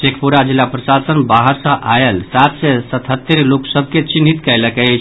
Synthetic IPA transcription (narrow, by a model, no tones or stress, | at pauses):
sekʰpuɾad͡ʒilːapɾəsasənbaɦəɾsə̃ʔaelsat̪sɛsət̪ɦət̪ːəɾloksəbʱket͡ʃinit̪kɛjləkɛt͡ʃʰ